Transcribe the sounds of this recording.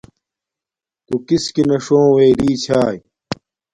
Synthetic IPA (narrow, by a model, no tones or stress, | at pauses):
kukiskinɐʂõːweːɾiːt͡ɕʰaːj